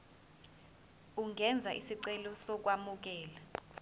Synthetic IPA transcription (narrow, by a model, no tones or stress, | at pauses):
uŋʱɛnd͡zʱaʔisiǀɛlɔsɔk̬wamuk̬ɛːla